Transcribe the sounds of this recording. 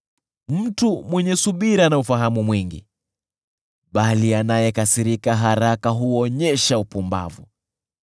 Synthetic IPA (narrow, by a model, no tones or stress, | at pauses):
m̩tumwɛɲɛsuɓiɾanaufaɦamumwiŋɡḭ | ɓalianajɛkasiɾikaɦaɾakaɦuɔɲɛʃaupumba̰vṵ